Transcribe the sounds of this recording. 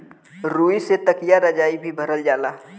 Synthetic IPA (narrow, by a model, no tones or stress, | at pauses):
ɾuːiset̪əkijaɾəd͡ʒaːibʱibʱəɾəld͡ʒaːlaː